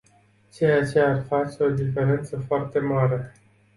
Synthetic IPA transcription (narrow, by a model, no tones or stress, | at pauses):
t͡ʃeat͡ʃejaarfat͡ʃe̞o̞d̪ife̞ɾe̞nt̪səfoart̪e̞maɾe̞